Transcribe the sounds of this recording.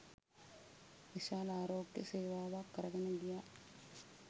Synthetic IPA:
ʋiʃaːlaːɾoːɡjɐ̰seːʋaːʋaːkːɐɾɐɡɐnɐɡijaː

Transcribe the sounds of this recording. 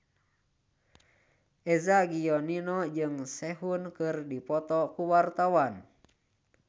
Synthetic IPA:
ʔɛzaɡiɔninɔd͡ʒɨŋsɛɦunkɨrdipɔt̪ɔkuwart̪awan

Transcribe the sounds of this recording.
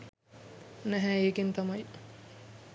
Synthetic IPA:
næɦæeːkent̪amɐj

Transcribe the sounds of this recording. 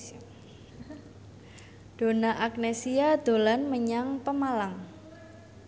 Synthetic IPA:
d̥o̤naʔak̚nesiad̪̥o̤lanməɲaŋpəmalaŋ

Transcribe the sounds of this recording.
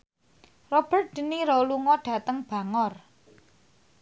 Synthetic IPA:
rɔb̥ə̤rt̪̚d̥ə̤niɾoluŋɔɖ̥ä̤t̪əŋb̥ä̤ŋɔr

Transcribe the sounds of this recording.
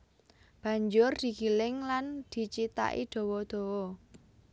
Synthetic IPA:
b̥ä̤ɲd͡ʒʊrd̪̥i̤ɡ̥ilɪŋland̪̥i̤t͡ʃit̪a̰ʔḭd̪̥o̤wɔd̪̥o̤wɔ

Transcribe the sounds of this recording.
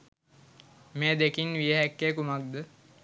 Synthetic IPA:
meːd̪ekinʋijəɦækːekumak̚d̪ə

